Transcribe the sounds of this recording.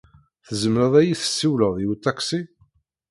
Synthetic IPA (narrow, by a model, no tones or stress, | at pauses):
θəzəmɾəðˤæjiθə̥sːiwləʁðiwut̪ːæksi